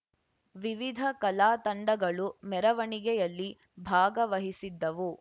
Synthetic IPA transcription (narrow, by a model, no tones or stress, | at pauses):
ʋiʋid̪ʱɐkɐlaːt̪ɐɳɖɐɡɐɭumɛɾɐʋɐɳiɡɛjɐlːi | bʱaːɡɐʋɐɦisid̪ːɐʋu